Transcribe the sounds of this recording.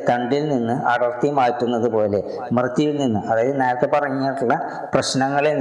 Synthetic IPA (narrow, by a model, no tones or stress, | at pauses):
kɐɳɖilninːɨɐɽɐrt̪ijmaːjtːunːɐðɨpo̞ːle̞ | mrɨt̪ːjɐjilninːɨʔɐðaːjɐðɨneːɾɐt̪ːepɐrɐŋːeːʈːuɭːɐ | prɐɕnɐŋːɐɭe